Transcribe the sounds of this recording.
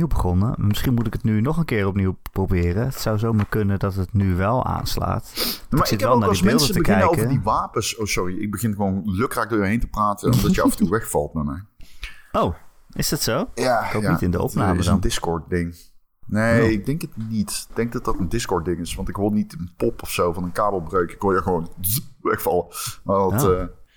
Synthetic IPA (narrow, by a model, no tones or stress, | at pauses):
iwbəχɔnə̰mɪsχinmutɪkətnynɔχənkɪːrɔpniwpprowbɪːrəətsawzowmaːɹkɵnəndɑtətnyʋɛlˠa̰ːnsla̰ːtmtasɪtʋɛllˠnaɹdismɛɪlˠdəsətəbkɪɛnəowkəvədiʋaːpəsowsɔriɪɡ̚bəɣɪnɣəʋownløkraːk̚dʊːɹjəɦejntəpraːtənnɔ̰mdɑtjəɑfən̩tuʋɛxfɑ̰lˠtnama̰ɹ | owɪsdɑtsowjaːkojaitɪndəɔ̰pnaːməsəndɪskɔɹt̚dɪŋ | nejɪɡ̚dɛŋkətnitɪɡ̚d̥ɛŋk̚dɑt̚dɑtəndɪskɔɹt̚dɪŋɪsʋɑntɪkʋɪlˠnitənpɔpɔfsowvɑnənkaːbəlˠbrøɥkɪkojəɣəʋownzʋɛxfɑlˠəmaɑtː